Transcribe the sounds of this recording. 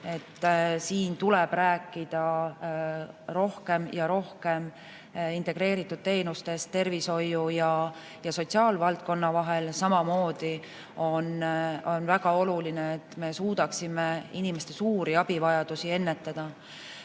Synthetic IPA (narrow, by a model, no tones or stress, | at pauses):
e̞t̪ːsiːnt̪uleb̥ræːkːˑid̪̥ɑ | ro̞hke̞mjɑɾo̞hke̞m | int̪e̞ɡ̥ɾe̞ːɾit̪ˑːud̪̥̚t̪e̞ːnust̪e̞st̪ːe̞rviso̞jːujɑ | jɑso̞t̪ʲsiɑːlvɑlt̪̚ko̞nːɑvɑɦe̞lsɑmɑmo̞ːd̪̥i | o̞no̞nvæɡ̥ɑo̞lulineːt̪ːme̞suːd̪̥ɑksimeinime̞st̪e̞suːɾiɑb̥ivɑjɑd̪̥usie̞nːe̞t̪ːˑɑd̪̥ɑ